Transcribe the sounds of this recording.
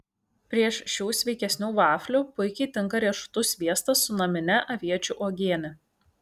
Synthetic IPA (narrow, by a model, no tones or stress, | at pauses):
pʲɾʲiɛʃʃʲuːsʲʋʲɛɪkʲɛsʲnʲuːʋɑːfʲlʲuːpʊɪkʲɛɪt̪ʲɪŋkɐɾʲiɛʃʊ̥t̪ʊsʲʋʲiɛst̪ɐsʊnɐmʲɪnʲɛʔɐʋʲiɛt͡ʃʲuʔoːɡʲiɛnʲɛ